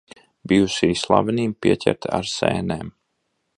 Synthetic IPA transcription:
bijusiːslˠa̰vʲɛniːmpiɛcʲɛ̰ɾt̪a̰ɾsḛːneːm

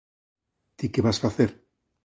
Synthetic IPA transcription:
t̪ikeβasfaθeɾ

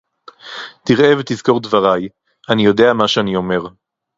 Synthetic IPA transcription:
t̪iʁevet̪izko̞ʁd̪vaʁaj | anijo̞d̪e̞amaʃeanio̞me̞ʁ

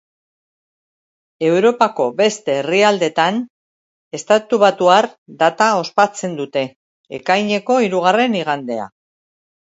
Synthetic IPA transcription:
e̞wɾo̞pako̞be̞st̪e̞riald̪e̞t̪an | e̞st̪at̪uβat̪uaɾd̪at̪ao̞spat͡se̞nd̪ut̪e̞̰ː | kajɲe̞ko̞iɾuɣare̞niɣ̞and̪e̞a̰

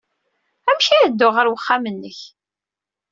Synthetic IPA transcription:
æmʃiəd̪ːʊʁəɾwəχːamənːəç

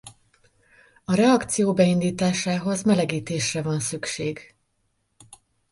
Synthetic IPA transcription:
ɒɾɛɒkt̪sijoːbɛind̪iːt̪aːʃaːɦo̞zmɛlɛɡiːt̪eːʃrɛvɒnsykʃeːɡ

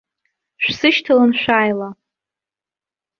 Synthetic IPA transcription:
ʃᶣʷsɨʃtʰɨlɨnʃʷᶣaːjla

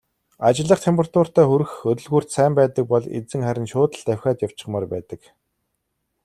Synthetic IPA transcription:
at͡ɕɪ̆ɮə̆χt̪ʰempʰə̆rt̪ʊːr̥t̪æːxɵɾɘ̆xxɵt̪ɵ̆ɮɣuːr̥t̪sæːmpæːt̪ə̆k̚pɔɮḛt͡sɘ̆ŋχæɾʲɪ̆nʃʊːt̪ə̆ɬt̪æwʲxʲaːt̪jaw̥t͡ɕɪ̥̆χmaːrpæːt̪ə̆k

